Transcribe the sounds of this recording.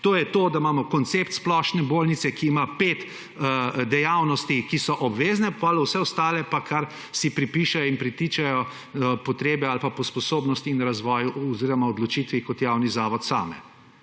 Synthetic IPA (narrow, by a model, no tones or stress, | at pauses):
t̪oːjɛt̪oːd̪amaːmɔkɔnt̪sept̪splɔːʃnɛboːlnit̪sɛkiːmapet̪ | d̪ɛjawnɔst̪ikisɔʔɔbʋeːznɛpalɛwsɛɔst̪aːlɛpakaɾ | sipɾipiʃajɔinpɾit̪it͡ʃajɔ | pɔt̪ɾeːbɛalpapɔspɔsoːbnɔst̪iːnɾazʋɔːjuʔɔziɾɔmaɔd̪lɔt͡ʃiːt̪ʋikɔt̪jawnizaːʋɔt̪sa̰ːmɛ̰